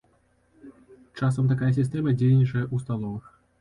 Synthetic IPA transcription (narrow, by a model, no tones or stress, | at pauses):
t͡ʂasɐmt̪̬akajɐs̬ʲist̪ɛmɐd͡zʲejʲnʲit͡ʂɐjɐʔust̪alˠɔvɨx